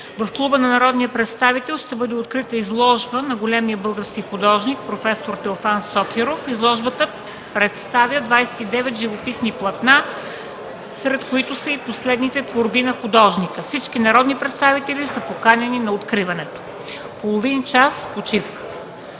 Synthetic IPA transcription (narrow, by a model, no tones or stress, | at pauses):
vɐfklˠubənɐnɐɾɔd̪nijəpɾɛt̪st̪avit̪ɛlˠʃt̪ɛbɤd̪ɛot̪kɾit̪əizlˠɔʒbənɐɡolɛmiəbɤlˠɡəɾskixʊd̪ɔʒnik̚pɾofɛsoɾt̪ɛofansɔkʲɛɾofizlˠɔʒbət̪ə | pɾɛt̪st̪avjəd̪vajsɛ̥t̪id̪ɛvɛt̪ʒivopisniplˠɐt̪na | sɾɛt̪koit̪ʊsəiposlɛd̪nit̪ɛt̪voɾbinɐxʊd̪ɔʒnikəfsit͡ʃkinɐɾɔd̪nipɾɛt̪st̪avit̪ɛlisəpokanʲɛninɐot̪kɾivɐnɛt̪o̥ | polˠovint͡ʃaspot͡ʃifkə̥